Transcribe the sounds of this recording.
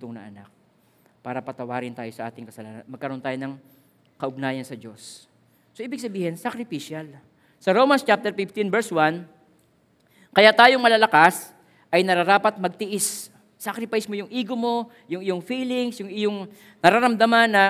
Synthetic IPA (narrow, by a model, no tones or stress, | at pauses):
t̪oŋnɐ̰ʔɐ̰na̰k̚ | paːɾɐpɐt̪ɐwaːɾɪnt̪aːjo̞sɐʔa̰ːt̪ɪŋkɐsɐlaːnɐ̰nmɐɡ̚kːɐɾo̞nt̪aːjonɐŋ | kɐʔʊɡ̚naːjɐnsɐd͡ʒo̞sː | o̞ʔiːbɪɡ̚sɐbiːhɪnsakɾɪfiʃal | sɐɾowmɐnst͡ʃap̚t̪ɛɾfɪft̪invɛɹswan | kɐjat̪aːjoŋmɐlaːlɐkas | ʔɐjnɐɾɐɾaːpɐt̪̚mɐɡ̚t̪ɪʔɪs | sakɾɪpajsmo̞jʊŋʔiːɡomo̞ | jʊŋɪjo̞ŋfiːlɪŋsjʊŋɪjoŋ | nɐɾaɾɐmd̪ɐmanːɐ